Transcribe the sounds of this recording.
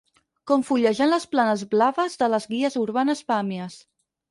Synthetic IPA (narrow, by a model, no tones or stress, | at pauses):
koɱfuʎəʒənləsplanəzβlaβəzðələzɣiəzuɾβanəspamiəs